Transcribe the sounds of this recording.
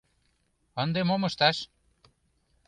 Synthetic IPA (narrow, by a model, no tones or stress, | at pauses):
ənd̪emomɤʃt̪ɑʃ